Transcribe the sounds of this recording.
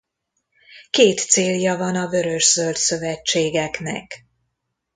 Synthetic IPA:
keːt̪seːljɒvɒnɒvø̞ɾø̞ʃz̥ølt̪sø̞vɛt͡ʃːeːɡɛknɛ̰k

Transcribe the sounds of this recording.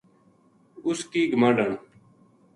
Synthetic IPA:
ʊskiːɡəmãːɖəɳ

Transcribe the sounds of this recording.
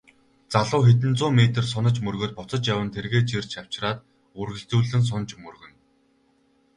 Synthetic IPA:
t͡saɮʊːxet̪̬ɘ̆nt͡sʊːmet̪ɘ̆rs̬ʊnə̆t͡ɕmɵrɣoːt̪̚pʊt͡sə̆t͡ɕjawə̆nt̪ʰerɣeːt͡ɕirt͡ɕʰaw̥t͡ɕraːt̪ | ɵrɣɘ̆ɬt͡suːɮɘ̆ns̬ʊnt͡ɕmɵrɣɵ̆n

